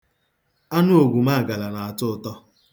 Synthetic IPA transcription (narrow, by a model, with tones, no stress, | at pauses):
a˦nʊ˦o˨ɡʷu˨ma˦a˨ɡa˨la˨na˨a˨tʊ˦tɔ˦